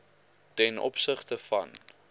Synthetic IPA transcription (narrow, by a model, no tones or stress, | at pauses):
tɛnʔɔ̰psəχtəfɐ̰n